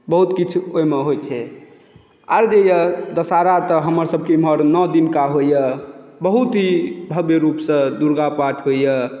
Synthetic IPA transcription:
bəɦut̪kit͡ʃʰoemeɦojt͡ʃʰɛ | a̰ɾd͡ʒejəd̪əsaɾat̪əɦəməɾsəb̚ʱkeməɾnəd̪inkaɦojəbəɦut̪ɦibʱəbeɾupsə̃d̪uɾɡapaʈʰɦojə

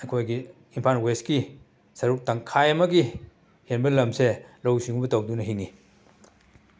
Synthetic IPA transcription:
ɐkʰojɡi | impʰanweski | sɐɾuk̚tɐŋkʰajɐmɐɡi | henbɐlɐmselowsiŋubɐtɐwdunɐɦiŋi

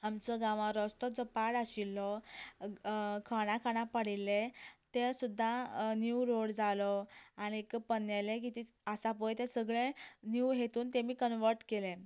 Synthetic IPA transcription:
amt͡sɔɡãʋãɾɔst̪ɔd͡zɔpaɽaɕilːɔ | kʰaɽ̃ãkʰaɽ̃ãpəɽ̤ilːet̪esud̪ʱːanjuɾoɽd͡zalɔañiekpənalek̬it̪iəsapɔjt̪ẽsəɡɭẽnjuɦet̪uːnt̪emiːkənʋəɾʈkelẽ

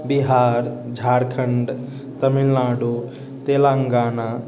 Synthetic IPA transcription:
biɦaːɾd͡ʒʱaɾkʰəɳɖ | t̪əmilnaːɖo | t̪elaŋɡaːna

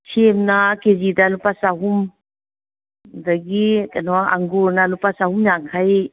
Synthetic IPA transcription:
sʰemnakezidalupasaɦum | daɡikanɔaa̰ŋɡuɾnalupasahumjaŋkʰaj

